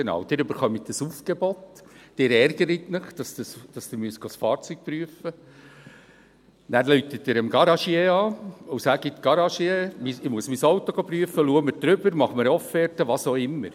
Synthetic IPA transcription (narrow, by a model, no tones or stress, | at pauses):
enɑ̰ːwd̥ɪːɾʉbəɾχœmit̚d̥əsuːfɡ̥ɛbɔt̪d̥ɪːɾɛɾɡ̥əɾit̪nɪχd̥ɑsd̪əsd̥ɑsd̥̪umyəstɡ̥osfɑːɾt͡syk̚pɾyəfə | næːɾlytət̚dɪɾəmɡɑɾɑʃjeɑːʊsæɡ̥it̪ɡ̥ɑɾɑʃiemiɪmuəsmisowtɔɡopryəfːəluːəməɾd̥̪ɾʏbəɾmɑχməɾɔfɛɾtəʋɑsoɪmːə̰ɾ